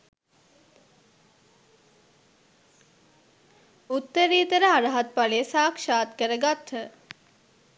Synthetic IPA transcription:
ut̪ːəɾiːt̪əɾəaɾəɦat̪̚palesaːkʂaːt̪kəɾəɡat̪hə

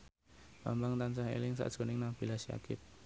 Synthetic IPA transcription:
ba̰mbaŋt̪ant͡ʃaɦḛlɪŋsa̰ʔd̥ʒ̥o̤nɪŋnab̥ilasja̰kɪp̚

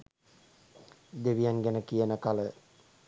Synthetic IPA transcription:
d̪eʋijaŋɡænəkijənəkalə

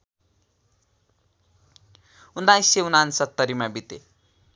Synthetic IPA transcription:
und̪ajseunansʌt̪ːʌɾimabit̪e

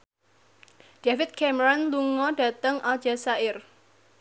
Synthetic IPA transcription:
ɖ̥afɪt̪̚kʰɛmɾɔnluŋɔɖä̤t̪əŋʔḁd͡ʒ̥asaɪr

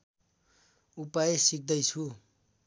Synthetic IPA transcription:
upajesik̚d̪ʌjt͡sʰu

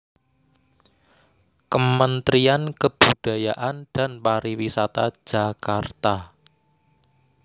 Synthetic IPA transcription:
kəmənt̪ɾiankəb̥ud̥a̤jaʔand̥anpaɾiwisat̪ḁd͡ʒ̥akart̪a

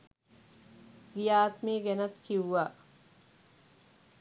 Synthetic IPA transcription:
ɡijaːt̪miːɡenɐt̪kʰiwːaː

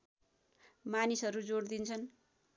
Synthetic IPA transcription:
manisʌɾud͡zoɽd̪int͡sʰʌn

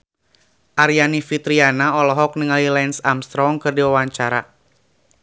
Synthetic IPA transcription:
ʔaɾianifit̪ɾianaɔlɔɦɔk̚niŋalilɛnsamst̪ɾɔŋkɨrdiwawaɲt͡ʃaɾa̰

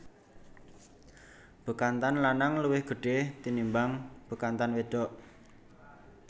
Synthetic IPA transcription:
b̥ə̤kant̪anlanaŋluwɪhɡ̥ə̤ɖ̥et̪inimbaŋb̥ə̤kant̪anweɖ̥ɔʔ

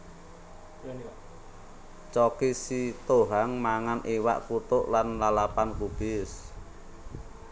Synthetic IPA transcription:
t͡ʃɔkisit̪oɦaŋmaŋanʔewa̰ʔkut̪ʊʔlanlalapankub̥ɪs

